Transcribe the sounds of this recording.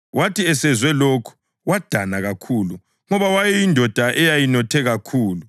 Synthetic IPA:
wʔatʰiɛsɛzwɛlokʰu̥ | wad̥ʱanaɣakʰulu | ŋɔβawajɛjindʱɔd̥ʱaʔɛjajinɔtʰɛɣakʰuːlu

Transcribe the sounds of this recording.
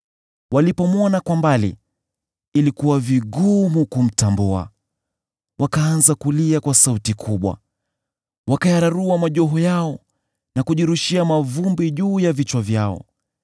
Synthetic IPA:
walipɔmwɔnakwambalḭː | likuwaviɠumukum̩tambua̰ | wakaːnzakuliakwasautikʰuɓwa̰ | wakajaɾaɾuamaʄɔɦɔjaɔ | nakuʄiɾuʃiamavumbiʄuːjavit͡ʃwavjaɔ̰

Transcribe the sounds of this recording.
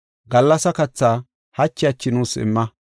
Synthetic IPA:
ɡɐlːɐsɐkɐt͡sːaː | hɐt͡ʃːɪɐt͡ʃːɪnuːsɪ̰mːɐ

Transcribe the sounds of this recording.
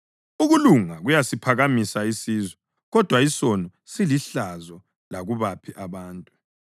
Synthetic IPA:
uɣuluŋaɣujasipʰaɣamisaisiːzwɛ | ɣɔd̥ʱwaisɔnɔsiliɬazɔ | laɣuβapʰiʔaβaːntʼu

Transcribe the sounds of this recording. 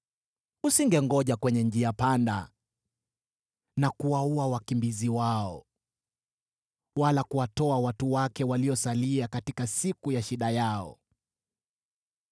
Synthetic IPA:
usiŋɡɛŋɡɔʄakwɛɲɛɲd͡ʒiapanda̰ | nakuwauawakimbiziwaɔ̰ | walakuwatɔawatuwakɛwaliɔsaliakatikasikujaʃiɗajaɔ̰

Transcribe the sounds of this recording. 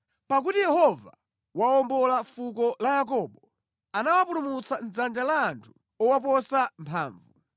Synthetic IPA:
pak̬utijɛhɔva | waɔmbɔlafukɔlajak̬ɔːɓɔ | anawapulumut͡san̩zand͡ʒalaːntʰu̥ | ɔwap̬ɔsampʰa̰ːɱvu

